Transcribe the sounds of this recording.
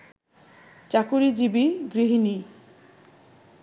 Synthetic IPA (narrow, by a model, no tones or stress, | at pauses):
t͡ɕakuɾid͡ʑibiɡɾiɦini